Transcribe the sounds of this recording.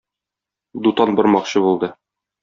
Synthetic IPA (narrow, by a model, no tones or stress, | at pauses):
d̪ut̪ɑnbɘɾmɑqɕɤbulˠd̪ɤ